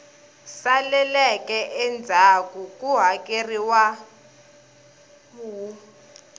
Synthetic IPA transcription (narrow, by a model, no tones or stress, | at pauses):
salɛlɛkʼɛʔɛnd͡zʱakʼukʼuɦakʼeriwa | mu